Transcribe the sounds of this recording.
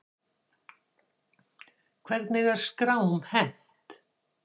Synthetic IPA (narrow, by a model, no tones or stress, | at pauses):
kʰvɛɾt̪nɪɣaɾ̥skɾaːwmhɛn̥t̪